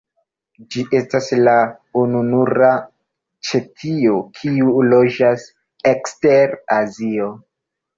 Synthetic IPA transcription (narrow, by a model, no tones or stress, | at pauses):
d͡ʒiʔe̞stasla | ununuɾa | t͡ʃe̞tʰiokʰiulo̞d͡ʒas | ekste̞ɾazio̞